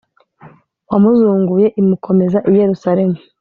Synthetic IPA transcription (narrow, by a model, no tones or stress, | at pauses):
wamuzuːŋɡuje̞ʔimukʰo̞me̞zaʔije̞ɾusaɾe̞mu